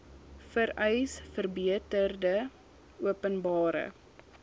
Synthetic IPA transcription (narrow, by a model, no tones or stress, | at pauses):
fəɾɛjsfərbiətərdə | uəpənbɑːɾə̰